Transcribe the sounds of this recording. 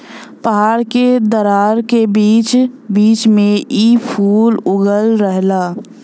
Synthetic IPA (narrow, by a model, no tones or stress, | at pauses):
pəɦaːɾked̪əɾaːɾkebiːt͡ʃbiːt͡ʃmẽʔiːpʰuːlʊɡəlɾəɦlaː